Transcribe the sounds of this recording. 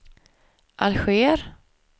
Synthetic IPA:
ʔalɧeːɾ

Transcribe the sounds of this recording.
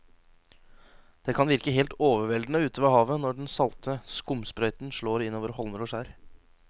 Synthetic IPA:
d̪̥eːkʰɑnʋɪɾkəɦeːlt̪oːʋəɾʋɛld̪n̩əʉːt̪ʰəʋɑhɑːʋənɔɖɛnsɑlt̪ʰəskʊmspɾœʏt̪n̩ʂɭoːɾɪnːoːʋəɾhɔlməɾɔʂæːɾ

